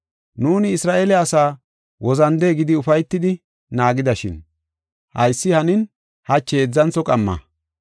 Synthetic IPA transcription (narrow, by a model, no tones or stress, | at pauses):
nuːnɪːsɾaːʔeːlɛɐsaː | wɔzɐnd̪eːɡɪd̪ɪʊfɐjt̪ːɪd̪ɪ | naːɡɪd̪ɐʃɪ̰n | hɐ̰jsːɪhɐnɪn | hɐt͡ʃːeːd͡zːɐnt͡sːɔkʼɐmːɐ̰